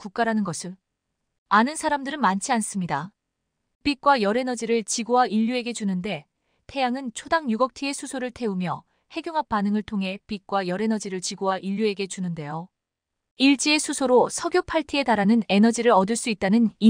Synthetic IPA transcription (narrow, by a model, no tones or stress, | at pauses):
kuk̚k͈aɾanɯnɡʌsʰɯ | anɯnsʰaɾamdɯɾɯnmant͡ɕʰians͈ɯmɲida | pik̚k͈wajʌɾe̞nʌd͡ʑiɾɯɭt͡ɕiɡowaiʎːue̞ɡe̞d͡ʑunɯnde̞ | tʰe̞jaŋɯnt͡ɕʰodaŋɲuɡʌk̚tʰie̞sʰusʰoɾɯɭtʰe̞umjʌ | he̞ɡjoŋɦap̚p͈anɯŋɯɭtʰoŋɦe̞pik̚k͈wajʌɾe̞nʌd͡ʑiɾɯɭt͡ɕiɡowaʔiʎːue̞ɡe̞t͡ɕunɯnde̞jo | iɭt͡ɕ͈ie̞sʰusʰoɾosʰʌɡjopʰaɭtʰie̞taɾanɯne̞nʌd͡ʑiɾɯɾʌdɯɭs͈uit̚t͈anɯni